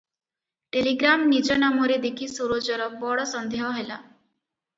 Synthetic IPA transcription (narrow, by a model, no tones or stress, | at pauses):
ʈeliɡɾamnid͡ʒɔnamɔɾed̪ekʰisoɾod͡ʒɔɾɔbɔɽɔsɔnd̪ʱeɦɔɦela